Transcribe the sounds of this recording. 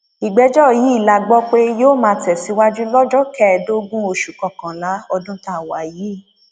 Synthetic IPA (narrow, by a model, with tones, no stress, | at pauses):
i˨ɡ͡bɛ˧˦d͡ʒɔ˦˨ji˨˦i˦˨la˨ɡ͡bɔ˦k͡pe˦joː˦˨mãː˧˦tɛ˨si˨˦wa˦d͡ʒu˦lɔ˦d͡ʒɔ˦kɛ˦˨do˦ɡũ˦o˧ʃu˨kã˨kã˨la˨˦ɔ˧dũ˦ta˦˨wa˨ji˨˦˨